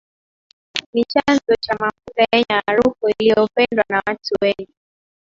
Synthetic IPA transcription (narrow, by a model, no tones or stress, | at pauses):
nit͡ʃanzɔt͡ʃamafutajɛɲaːɾukuilijɔpɛndwanawatʰuwɛɲɡi